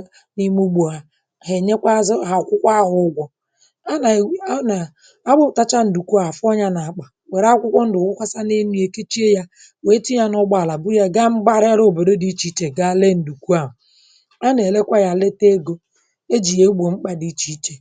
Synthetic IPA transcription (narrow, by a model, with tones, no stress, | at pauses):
ni˦mu˦ɡ͡bo˨a˨ | ɦe˨ɲe˦kʷa˦za˨kʷʊ˦kʷa˦ɦʊ˨ʊ˦ɡʷɔ˨ | a˦n˨˦na˨ | a˦bʊ˦˨ta˦t͡ʃa˦n̩˨du˨ku˦a˨fɔ˦ɲa˦na˨k͡pa˨ | we˨ɾa˦kʷʊ˦kʷɔ˦n̩˦dʊ˨kʷʊ˦kʷa˦sa˦ne˦nu˨˦e˨ke˦t͡ʃi˦e˦ja˦ | we˦ti˦ja˦nɔ˦ɡ͡ba˨la˨bʊ˦ja˦ɡa˦ŋ͡m̩˦ɡ͡ba˦ɾe˦ɾo˨bo˨do˦di˦t͡ʃi˦t͡ʃe˨ɡa˦le˦n̩˨du˨kʷu˦a˦ɦʊ˨ | a˦ne˨le˦kʷa˦ja˨le˦te˦ɡo˦ | e˦d͡ʒi˨je˨˦ɡ͡bo˨ŋ͡m̩˦k͡pa˨di˦t͡ʃi˦t͡ʃe˨